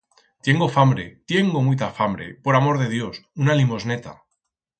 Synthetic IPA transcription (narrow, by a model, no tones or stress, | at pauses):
t̪je̞ŋɡo̞fambɾe̞t̪je̞ŋɡomujt̪̬afambɾe̞̰poɾamo̞ɾð̞e̞ðjo̞sunalimo̞zne̞t̪a̰